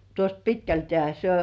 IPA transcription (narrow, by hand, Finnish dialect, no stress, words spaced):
tuost pitkæltĕæˑ se